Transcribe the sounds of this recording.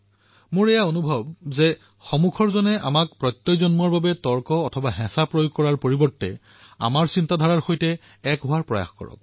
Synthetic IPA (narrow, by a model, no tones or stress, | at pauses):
mʊɹɛjaonubʱɔbzɛ | xɔmukʰɔɹzɔnɛʔamak̚pɹɔjtːɔjzɔnmɔɹbabɛtɔɹkɔːtʰɔbaɦɛ̃sapɹojoɡ̚kːɔɹaɹpoɹibɔɹtːɛ̰ | a̰maɹsintadʱɔɹaɹxojtɛ | ɛkɦʊwaɹpɹɔ̰ja̰xkɔ̰ɹɔ̰k̚